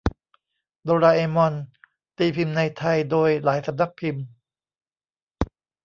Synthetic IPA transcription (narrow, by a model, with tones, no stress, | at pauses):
d̪oː˧ɾaː˧ʔeː˧mɔ˧n | t̪iː˧pʰi˧mna˧jt̪ʰa˧jdoː˧jlaː˩˦jsa˧˦m̚na˦˥k̚pʰi˧m